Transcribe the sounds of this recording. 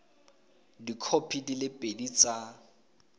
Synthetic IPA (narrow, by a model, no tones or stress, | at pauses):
dikʰopʰidilɪpʼedit͡sʼa